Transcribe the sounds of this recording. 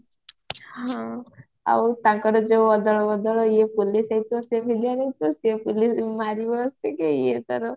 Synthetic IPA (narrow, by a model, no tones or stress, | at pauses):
hã | a̰wt̪ãŋkɔɾɔd͡ʒowɔd̪ɔɭɔbɔd̪ɔɭɔijepulisajt̪uɔsebʱiliaɾet̪ɔsepulismaɾibɔːsekeijet̪aɾɔ